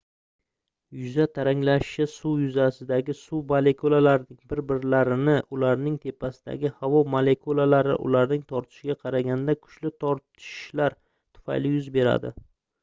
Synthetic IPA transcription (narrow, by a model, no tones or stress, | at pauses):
jʊzat̪ʰaɾaŋlaʃt͡ʃasujʊzasɪd̪aɡʲɪsubale̞kʰolˠalaɾɪnɪŋbɪɾbɪɾlaɾɪnɪʔʊlaɾnɪŋt̪ʰe̞pʰasɪd̪a̰ɡʲɪhavɒmale̞kʰolˠalaɾɪ̰ʔʊ̰laɾnɪŋt̪ʰɒɾt̪ʰɪ̥ʃɪɡʲaqʰɑɾaɡʲand̪akʰʊ̥t͡ʃlɪt̪ʰɒɾt̪ʰɪ̥ʃlaɾ | t̪ʰʊ̥fa̰jlɪjʊzbe̞ɾa̰d̪ɪ̰